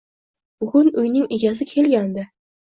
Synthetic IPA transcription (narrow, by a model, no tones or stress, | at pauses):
b̥ʊɡʲʊnʊjnɪŋɪɡʲazɪkʲʰe̞lɡʲand̪ɪ